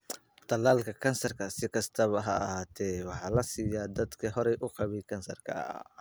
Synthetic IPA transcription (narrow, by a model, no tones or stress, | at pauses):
t̪ʰɐlaːlkʰɐkʰɐnsɐrkʰɐsɪkʰɐst̪ʰɐβɐɦɐːhaːt̪ʰɛwɑħɑːlɐsiːjad̪ɐd̪kʰɐɦɔɾɛjʔʊqɑβɛjkʰɐnsɐrkʰɐ̰